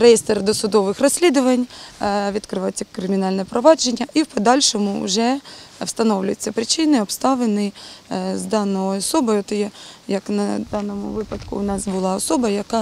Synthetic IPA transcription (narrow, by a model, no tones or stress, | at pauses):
ɾejest̪erd̪ɔsʊd̪ɔʋɪxrɔsʲlʲid̪ʊʋɐnʲʋʲid̪kɾɪʋɑjt͡sʲːɐkɾɪmʲɪnɑlʲnɛpɾɔʋɑd͡ʒenʲːɐʔiwpɔd̪ɑlʲʃɔmʊ̰ːʒɛwst̪ɐnɔwlʲʊjet͡sʲːɐpɾɪt͡ʃɪnɪɔbst̪ɑʋenɪzd̪ɑnɔɔɔsɔbɔjt̪jɛjɐknɐd̪ɑnɔmʊ̰ʋɪpɐd̪kʊːnɑsbʊlˠɑɔsɔbɐjɐkɑ